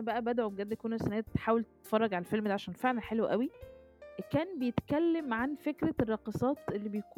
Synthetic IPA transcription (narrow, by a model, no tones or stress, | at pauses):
æbæʔæbæd̪ʕobɡæd̪ːkonːæsænæt̪ħaːwelt̪et̪fɑrˤːɑɡʕalælfelmd̪iʕaʃæːnfeʕlæħelwʔæwi | kæːnbejet̪kælːemʕanfekɾærˤːɑqisˤɑːt̪ʔelːibejkuː